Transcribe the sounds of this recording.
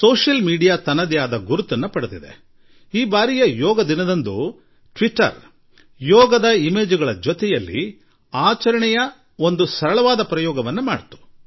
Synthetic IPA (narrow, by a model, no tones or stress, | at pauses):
soːʃɐlmiːɖijaːt̪ɐnːɐd̪jaːd̪ɐɡuɾut̪ːɐnːɐpɐɽut̪id̪ḛ | iːbaːɾijɐjɔːɡɐd̪inɐd̪ɐnd̪u | ʈʋiʈːɐ̰ɾ | jɔːɡɐd̪ɐimeːd͡ʒuɡɐɭɐd͡ʒot̪ɛjɐlːḭ | aːt͡ʃɐɾɐɳɛjɐ | o̞nd̪usɐɾɐɭɐʋaːd̪ɐpɾɐjɔːɡɐʋɐnːuma̰ːɽt̪u̥